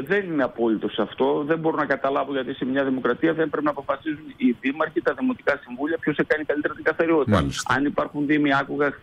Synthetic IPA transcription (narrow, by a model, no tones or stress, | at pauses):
ðe̞nineɐpo̞lit̪o̞sɐft̪o̞ðe̞mbo̞ɾonɐkɐt̪ɐlɐvo̞ʝɐt̪ise̞mɲɐðimo̞kɾɐt̪iɐðe̞mpɾe̞pinɐpo̞fɐsizuniðimɐɾçit̪ɐðimo̞t̪i̥kɐsiɱvuliɐpço̞sekɐnikɐlit̪e̞ɾɐt̪iŋɡɐθɐɾio̞t̪it̪ɐ̰lisɐnipɐɾxunðimiɐkoɣɐ